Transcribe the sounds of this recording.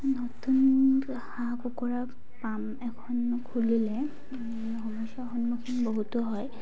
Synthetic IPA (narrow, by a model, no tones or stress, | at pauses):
notun | hãkukɔɹa | pam | ɛkʰɔnkʰulilɛ | ɦɔmɔjsaxɔnmɔkʰinboɦutɔɦɔj